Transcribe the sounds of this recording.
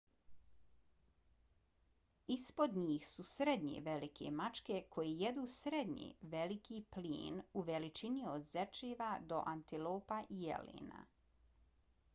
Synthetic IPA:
ispo̞d̪ɲiːxsusɾed̪ɲḛʋelikʰe̞̰mat͡ʃke̞kʰo̞jejed̪uːsɾed̪ɲḛʋelikiplḭːnuʋelit͡ʃiniod̪zet͡ʃeːʋad̪o̞ʔant̪iloːpaʔijḛlḛːna̰

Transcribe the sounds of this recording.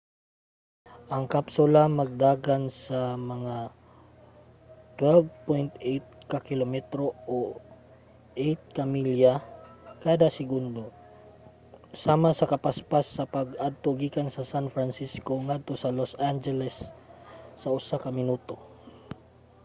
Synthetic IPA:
ʔɐŋkapsʊlamɐɡ̚d̪aːɡansamɐŋa | t̪wɛlvpojnt̪ʔejt̪̚kakɪlomɛt̪ɾoo | ʔejt̪̚kamiljakaːd̪asɪɡʊnd̪o | saːmasɐkɐpaspasːɐpaɡad̪̚t̪oɡiːkansɐsanfɾansiskoŋad̪̚t̪osɐlosʔand͡ʒɛlɛsː | ɐʊsakɐmɪnuːt̪o

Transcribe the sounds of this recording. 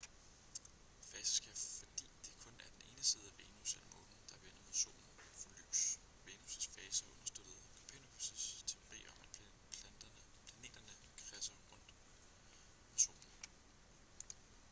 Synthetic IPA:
fɛːsəsɡ̥ʰæfɒd̥ḭːd̥e̝kʰɔ̽næɐd̥ene̝ːnəsiːð̞̩ˠæʋeːnusælmɔ̰̽ɡ̥n̩d̥ɑ̈ʋen̰ɐmoso̰ːn̩fɒ̽ly̰ːs | ʋe̝ːnusəsfɛːsəʔɔ̽nɐsd̥ød̥ð̞̩ˠ | pʰenub̥ʰusəst͡sʰe̝o̝ʁḭːɒ̽mæ̥ | pʰd̥ɐ | pʰlæne̝̰ːd̥ɐnə | kʰʁɛsɐʁɔ̽n̰d̥ | mɑso̝̰ːn̩

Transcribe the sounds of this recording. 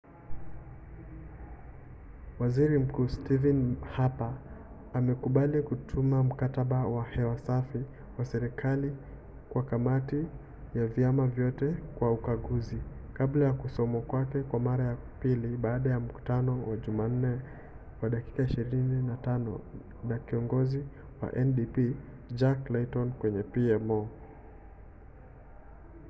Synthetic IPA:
waziɾim̩kuːstivɛnhapaː | mɛkuɓalikutʰumam̩kataɓawahɛwasafi | wasɛɾikʰali | kwakamati | javjamavjɔtɛkwaukaɠuzikablajakusɔmakwakɛkwamaɾaja | piliɓaːɗajam̩ku̥tanɔwaʄuman̩nɛ | waɗaki̥kaiʃiɾininatanɔ̰ | nakiɔŋɡɔzi | wa̰ʔɛnɗipi | d͡ʒaklɛtɔnkwɛɲɛpiɛmɔ

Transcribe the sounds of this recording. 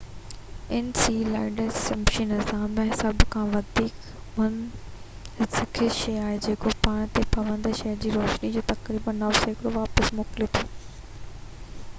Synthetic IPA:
ɪnsiːlaːɪɖəsɛmʃinɪzaːmːẽsɐbʱkʰãːʋɐd̪ʱiːk | mʊn | sɪkʰeʃejaːɦed͡ʑeːkopaːɽ̃t̪epɐʋə̃nd̪ʃɐjɾd͡ʑiːɾoːʃnid͡ʑoːt̪ɐkɾiːbənːaseːkɽoʋaːpəsmoːkɪlet̪ʰoː

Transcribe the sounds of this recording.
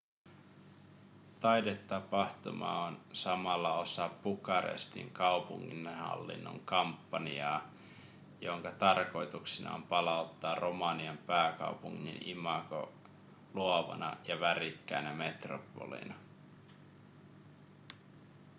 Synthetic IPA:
t̪ɑjdet̪ːɑpɑht̪umɑ̰onsɑmɑlːɑo̞sɑpːukɑɾḛst̪ḭŋkɑupuŋːinhɑ̰lːḭnːo̞̰ŋkɑmpːɑniɑː | jo̞ŋkɑt̪ɑrko̞jt̪uksinɑ̰o̰mpɑlɑut̪ːɑːrʔomɑniɑmpæːkɑ̰wpuŋːḭnimɑko̰ | luoʋɑ̰nɑ̰jɑʋærikːæjnæme̞t̪ropːo̞̰lḭnɑ

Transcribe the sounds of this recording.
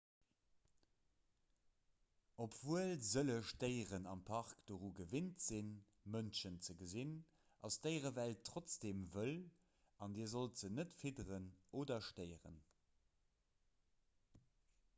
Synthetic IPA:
opv̥uəlzələʃtəɪʁənɑmpʰɑʁkd̥oʁuːɡəvintz̥in | mənʃənt͡səɡəzin | ʔɑsd̥əɪʁəvæltʰːʁot͡sd̥eːmvəl | ɑndiːzoltz̥ənətfidəʁənoːdɐʃtəɪəʁə̰n

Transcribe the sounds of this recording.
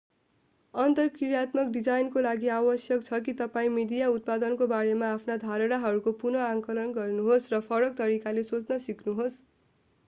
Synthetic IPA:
ʌnt̪ʌrkiɾjat̪mʌk̚ɖid͡zajnkolaɡiawʌsjʌkt͡sʰʌkit̪ʌpaĩmiɖijaut̪̚pad̪ʌnkobaɾemaːpʰnad̪ʱaɾʌɽaɦʌɾukopunʌaŋkʌlʌnɡʌrnuɦosrʌpʰʌɾʌk̚t̪ʌɾikalesot͡snʌsikʰnuɦos

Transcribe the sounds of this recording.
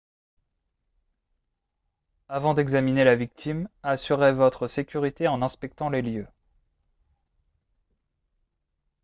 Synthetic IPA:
avɑ̃d̪ɛɡzaminelavik̚t̪ʰimasyʁevɔt̪χəsekʲyʁit̪eɑ̃nɛ̃spɛk̚t̪ɑ̃leljø

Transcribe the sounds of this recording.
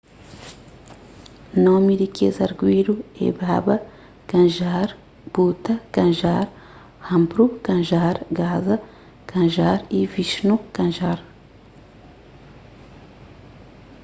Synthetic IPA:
nomidikʰḛzɐɾɡwiɾuḛbabɐ | kɐ̃nʒaɾ | b̥ut̪ɐkɐ̃nʒaɾ | hɐ̃mbɾukɐ̃nʒaɾɡazɐ | kɐ̃ʒaɾiviʃnukɐ̃ʒaɾ

